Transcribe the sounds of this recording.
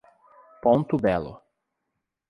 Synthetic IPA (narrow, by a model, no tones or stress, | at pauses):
põnt̪ʊbɛlʊ̰